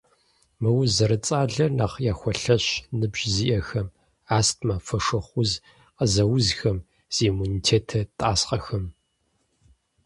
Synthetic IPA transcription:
mɨwʊzɐɾɨt͡sʼaːɮɐnaːχjaːxʷɔɬɐɕnɨbʑziːʔɐxɐm | aːstʰmɐfɐʂɐχʷʊz | qəzɐwʊzxɐm | z̥iːmunitʰeːtʰɐtʼaːsqɐxɐm

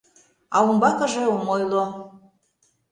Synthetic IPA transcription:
ɑumbɑkə̆ʒeomojlo

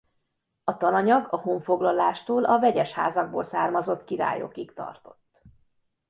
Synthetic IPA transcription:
ɒt̪ɒnɒɲɒɡɒhuɱfo̞ɡlɒlaːʃt̪oːlʔɒvɛɟɛʃha̰ːzɒɡ̚bo̰ːlsaːrmɒzo̞t̪kiɾa̰ːjo̞̰kikt̪ɒ̰rt̪o̞̥t̪ː

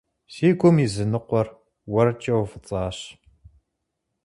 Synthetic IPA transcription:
siːɡʷʰʊmizɨnɨqʷɔr | wɐrt͡ʃʼɐwfɨt͡sʼɑːɕ

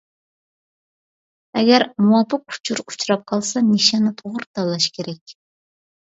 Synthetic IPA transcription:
ɛɡʲɛɾmuwɑpʰɨqʰu̥t͡ʃʰuɾu̥t͡ʃʰɾɑp̚qʰɑlˠsɑmiʃɑnɨt̪ʰoʁʊɾt̪ʰɑlˠːɑʃkʲʰeɾɛkʲ

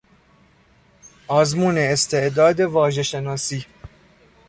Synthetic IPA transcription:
ʔɒːzmuːne̞ːst̪ʰe̞ʔd̪ɒːd̪e̞vɒːʒe̞ʃenɒːsiː

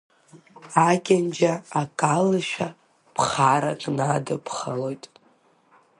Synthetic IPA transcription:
akʲʼand͡ʒaːkʼalɨʃᶣa | pʰχaɾa̰kʼnadɨpʰχəlo̞jtʼ

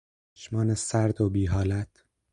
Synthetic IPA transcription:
ʃmɒːnesæɾd̪obiːɦɒːlæt̪ʰ

